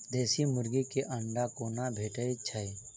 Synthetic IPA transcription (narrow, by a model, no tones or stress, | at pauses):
d̪eːsimʊɾɡikeʔə̃ɳɖakoːnabʱeːʈəet͡ʃʰəj